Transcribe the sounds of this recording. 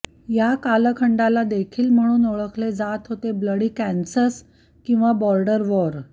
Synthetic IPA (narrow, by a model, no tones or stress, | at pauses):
jakaləkʰəɳɖalad̪ekʰiːlm̤əɽ̃uːnoɭəkled͡zat̪ɦot̪ebləɽiːkænsəs | kĩw̃ʋabɔɾɖəɾʋɔɾ